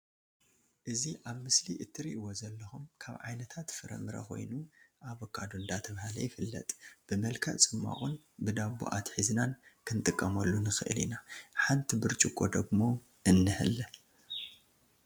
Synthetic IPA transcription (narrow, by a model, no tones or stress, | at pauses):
ʔɨziʔaβmɨsliʔɨt̪ʰːɨɾiʔwozɐlːɐxumkʰaβʕajnɐt̪ʰat̪fɨɾɐ̰mɨɾɐ̰xo̞̰jnuʔaβokʰʼːad̪ond̪at̪ʰɐβhalɐ̰jɪfɨlːɐ̰t̪ʼb̥ɨmɐlkʰɐʔt͡sʼɨmːa̰ʔʼun | bɨd̪aβṵʔat̪ħiznankʰɨnt̪ʼɨkʼːɐmɐlːunɨxɨʔɨlḭnaħant̪ʰibɨɾt͡ʃʼukʼːo̞d̪ɐɡmo̞ | ɨnːɨhɨ̰l